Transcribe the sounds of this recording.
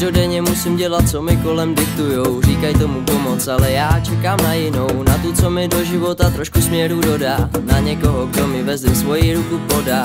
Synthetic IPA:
dodɛɲɛmusɪmɟɛlat̪̚t͡so̞mɪko̞lɛmdɪk̚t̪ujowr̝iːkajt̪omupo̞mo̞t͡salɛjaːt͡ʃɛkaːmnajɪno̞wnat̪ut͡somɪdo̞ʒɪvo̞t̪at̪ɾo̞ʃkusmɲɛɾudo̞daːnaɲɛko̞ɦoɡdomɪvɛzɛsvo̞jiɾukupoda

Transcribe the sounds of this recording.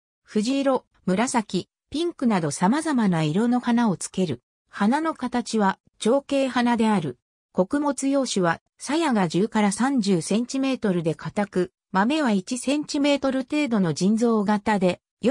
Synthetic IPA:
ɸɯ̟ʑiɾo̞ | mɯ̟ɾasakʲi | pʲĩŋkɯnad̪o̞samazamanaiɾo̞no̞hanao̞t͡sɨ̥ke̞ɾɯ̟ | hanano̞kat̪at͡ɕiβa | t͡ɕo̞ːke̞ːɦanad̪e̞aɾɯ̟ | ko̞kɯ̟mo̞t͡sɨjo̞ːɕiβa | sajaɡaʑɨːkaɾasãɲ̟d͡ʑɨːsẽ̞ɲt͡ɕime̞ːt̪o̞ɾɯ̟d̪e̞kʰat̪akɯ̟ | mame̞β̞ait͡ɕisẽ̞ɲ̟t͡ɕime̞ːt̪o̞ɾɯ̟t̪e̞ːd̪o̞no̞d͡ʑĩnd͡zo̞ːɡat̪ad̪e̞ | j

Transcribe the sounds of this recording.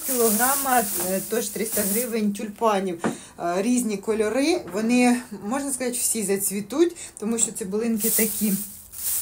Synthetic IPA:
kʲilˠɔɦɾɑmɐt̪ɔʒt̪ɾɪst̪ɐɦɾɪʋenʲtʲʊlʲpɑnʲiw | ɾʲizʲnʲikɔlʲɔɾɪʋɔnɪmɔʒnɐskɐzɑtʲw̥sʲizɐt͡sʲʋʲit̪utʲt̪ɔmuʃt͡ʃɔt̪sɛbʊlˠɪnkɪt̪ɐkʲʰi

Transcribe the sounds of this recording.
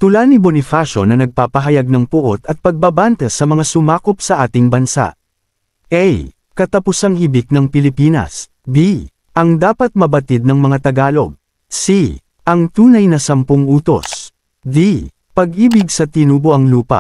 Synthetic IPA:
t̪ʊlanibonɪfaʃo̞nɐnɐɡ̚paːpɐɦɐjaɡ̚nɐŋpʊʔot̪ɐt̪̚pɐɡ̚babant̪ɛsɐmɐŋasʊmaːko̞p̚sɐʔaːt̪ɪŋbɐnsa̰ʔ | ʔɛj | kɐt̪ɐpʊsaŋhibɪk̚nɐŋpɪlɪpiːnɐ̰s | b̪i | ʔɐŋd̪aːpɐt̪̚mɐbɐt̪id̪̚nɐŋmɐŋat̪ɐɡaːlo̞ɡ̚ | si | ʔɐŋt̪uːnɐjnɐsɐmpoŋuːt̪o̞̰s | d̪i | pɐɡʔiːbɪɡsɐt̪ɪnuːboʔɐŋluːpɐ̰ʔ

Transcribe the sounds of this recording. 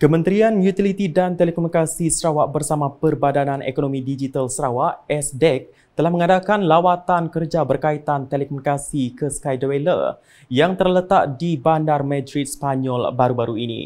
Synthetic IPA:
kəmə̃nt̪ɾianjut̪ilit̪idant̪elekomunikasisəɾawaʔbərsamãpərbadanãnʔḛkonomidid͡ʒit̪alsəɾawaʔɛsdɛk̚ | t̪əlahmə̃ŋadakanlawat̪ankərd͡ʒabərkait̪ant̪elekomunikasikəskajdəwelə̰r | jaŋt̪ərlət̪aʔ̚dibandarmãdɾit̪̚spaɲɔlbaɾubaɾuinḭ

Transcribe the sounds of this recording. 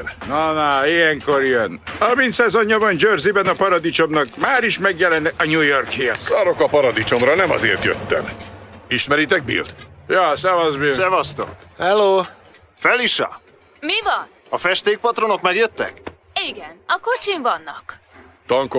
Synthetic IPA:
nɒnaːijɛŋko̞ɾijɛnhɒɾmint̪sɛzo̞ɲːɒbɒnd͡ʒøːrzibɛnɒpɒɾɒd̪it͡ʃo̞mnɒkmaːɾiʃmɛɡjɛlɛnɛkɒɲujo̞rkijɛsɒɾo̞kɒpɒɾɒd̪it͡ʃo̞mɾɒnɛmɒ̰zeːrt̪jø̰t̪ːɛ̰niʃmɛɾit̪ɛɡ̚bḭlt̪jɑːsɛvɒzbisɛvɒst̪o̞̰khɛloː | fɛliʃɒ̰ | mivɒn | ɒfɛʃt̪eːk̚pɒt̪ɾro̞no̞kmɛɾjøt̪ːɛ̰k | iɡɛnɒkot͡ʃiɱvɒnːɒkt̪ɒŋko

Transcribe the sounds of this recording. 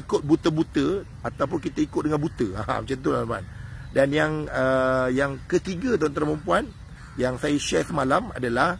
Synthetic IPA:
ikʊt̪̚but̪əbut̪ə | at̪awp̬ʊnkit̪əikʊt̪̚dəŋanbut̪əã̰mət͡ʃant̪ulama̰ndanjaŋəjaŋkət̪iɡat̪aont̪əɾaməmpuan | jaŋsajaʃɛsəmalama̰dalah

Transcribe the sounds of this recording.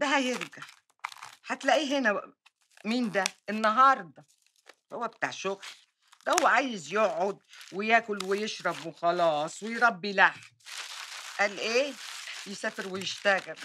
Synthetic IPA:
d̪æɦæjɪɾɡaʕ | ħat̪læʔiːɦɪnæ | miːnd̪æʔɪnːɑɦɑːɾˤd̪ˤɑ | howːæbɪt̪aʕʃʊɣl | d̪æhʊwːæʕaːjɪzjoʕːʊd̪̚wɪjæːkʊlwɪjɪʃɾˤɑbwɪxɑlɑːsˤwɪjɾˤɑbːilaħ | ʔælʔeːjɪsæːfɪɾwɪjɪʃt̪æɣɪɾ

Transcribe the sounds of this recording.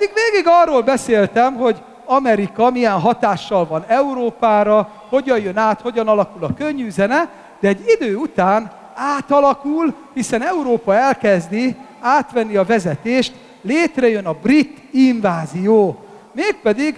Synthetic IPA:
pɛd̪iɡveːɡiɡɒrːoːlbɛseːlt̪ɛmɦo̞ɟ | ɒmɛɾikɒmijɛnɦɒt̪aːʃːɒlvɒnɛuɾoːpaːɾɒ | ho̞ɟɒjjø̞naːt̪ho̞ɟɒnɒlɒkulɒkøɲːyːzɛnɛ | d̪̥ɛːɟid̪øːut̪aːn | aːt̪ɒlɒkulhisɛnɛuɾoːpɒɛlkɛzd̪i | aːt̪ʋɛnːiɒvɛzɛt̪eːʃt̪ | leːt̪rɛjø̞nɒbrit̪ːiɱvaːzijoː | meːk̚pɛd̪iɡ

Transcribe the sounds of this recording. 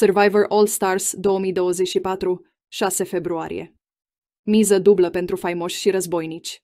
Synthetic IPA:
sərvajvərʔolst̪arsd̪o̞omijd̪o̞wəzet͡ʃʲʃipat̪ɾu | ʃase̞fe̞bɾua̰ɾḭje̞̰ | mizəd̪ubləpe̞nt̪ɾufajmo̞ʃʲʃiɾəzbo̞jnit͡ʃʲ

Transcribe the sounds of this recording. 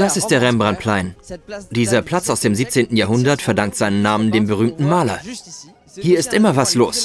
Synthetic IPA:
d̥asɪst̚d̥eːɐʁɛmbʁant̚pʰl̥aɪnd̥iːzɐpʰl̥at͡saʊsd̥eːmziːp̚t͡seːntn̩jaːɦʊndɐtfɛɐdaŋktz̥aɪnənːaːməndeːmbəʁ̞yːmtn̩maːlɐ | hiːɐɪstʔɪmɐvasloːs

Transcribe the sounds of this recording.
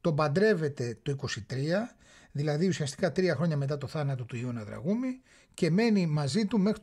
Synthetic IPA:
t̪o̞bɐnd̪ɾe̞ve̞t̪e̞t̪o̞iko̞sit̪ɾiɐ | ðilɐðiusiɐst̪i̥kɐt̪ɾiɐxɾo̞ɲɐme̞t̪̬ɐt̪o̞θɐnɐt̪o̞t̪uio̞nɐðɾɐ̰ɣumi | ce̞me̞nimɐzit̪ume̞xɾit̪

